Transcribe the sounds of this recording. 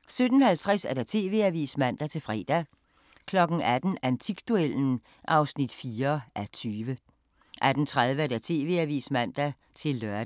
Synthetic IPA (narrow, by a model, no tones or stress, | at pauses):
sød̥n̩hælt͡sʰʁasæɐd̥æt͡sʰe̝̰ːʋe̝̰ːæʋḭːsmæn̰d̥æt͡sʰe̝lfʁɛ̰ːd̥æ | kʰlɒ̽ɡ̥n̩æd̥n̩ænt͡sʰiɡ̥d̥uel̰n̩ | ʔɑ̈ʊsnid̥fiːɐʔæt͡sʰyːʋə | ʔæd̥n̩t͡sʰʁað̞ˠʋəæɐd̥æt͡sʰe̝̰ːʋe̝̰ːæʋḭːsmæn̰d̥æ | t͡sʰe̝lːœɐd